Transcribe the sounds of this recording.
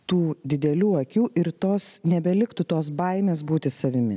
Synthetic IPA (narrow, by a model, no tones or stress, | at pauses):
t̪uːd̪ʲɪd̪ʲɛlʲuːɐkʲuːʔɪɾt̪oːsnʲɛbʲɛlʲɪkt̪ʊt̪oːsbɐɪmʲeːs̬buːt̪ʲɪsɐʋʲɪmʲɪ̰